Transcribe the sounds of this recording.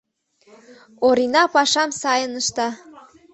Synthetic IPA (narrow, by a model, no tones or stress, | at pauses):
oɾinɑpɑʃɑmsɑjənəʃt̪ɑ